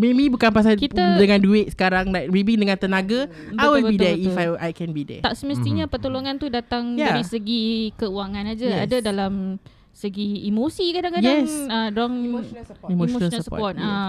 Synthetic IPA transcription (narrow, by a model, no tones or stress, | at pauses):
memĩbukanpas̬alkit̪adəŋãnduɪʔ̪̚sə̥kaɾaŋlabibiŋdəŋãnt̪ənaɡa | bajwilbbidɛifajajkɛnbidɛ̰t̪aʔsəməs̬t̪iɲapərt̪oloŋãnt̪udat̪aŋjdaaɾisəɡikəuaŋanad͡ʒəadadalam | səɡiːmosikadaŋkajɛŋsədɾɔŋ | immonsəɔ̰pɔt̪̚a